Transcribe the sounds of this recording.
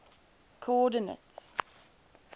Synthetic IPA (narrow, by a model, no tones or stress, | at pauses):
kʰoɔdənə̰ts